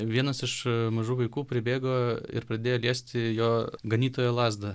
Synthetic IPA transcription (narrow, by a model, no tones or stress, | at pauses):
ʋʲiɛnɐsɪʃmɐʒuːʋɐɪkuːpʲɾʲɪbʲeːɡoːɪ̰ɾpɾɐd̪ʲeːjoːlʲiɛsʲt̪ʲɪjoːɡɐnʲiːt̪oːjoːlˠɑːzd̪ɐ